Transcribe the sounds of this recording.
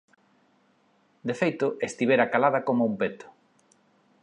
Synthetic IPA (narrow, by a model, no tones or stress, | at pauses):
d̪efejt̪ʊʔest̪iβ̞eɾakalaðɐkomoumpet̪ʊ̥